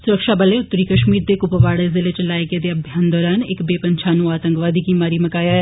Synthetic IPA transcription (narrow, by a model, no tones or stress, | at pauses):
sʊɾəkʃabɐleʊt̪ːəɾikɐʃmiːɾd̪eːkʊpəʋaːɽezɪlet͡ʃɐlaːeɡed̪eɐbʱjaːnd̪ɔːɾaːnekbeːpɐ̃ɲt͡ʃʰaːnuaːt̪ə̃ŋkʋaːd̪ikimaːɾimɐkaːja